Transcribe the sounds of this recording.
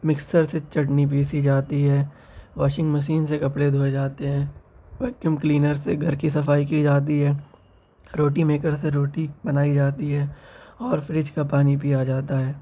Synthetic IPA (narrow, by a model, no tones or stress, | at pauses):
mɪksəɾset͡ʃɐʈnip̬iːsid͡ʒaːt̪iɦɛː | ʋaːʃɪ̃ŋɡməʃ̬iːnsekɐpɽed̪ʱoːed͡ʒaːt̪eɦɛ̃ːʋɛːkjəmkliːnəɾseɡʱɐɾkisɐfaːikid͡ʒaːt̪̬iɦɛː | ɾoːʈĩmeːkəɾs̬eɾoːʈibɐnaːid͡ʒaːt̪iɦɛːɔːɾfɾɪd͡ʒkapaːnipijad͡ʒaːt̪aɦɛː